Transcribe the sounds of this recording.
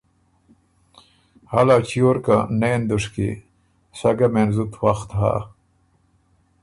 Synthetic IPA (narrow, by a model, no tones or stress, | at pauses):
halat͡ɕijoɾkanejnd̪uʂkḭ | saɡamenzut̪waxt̪ɦa̰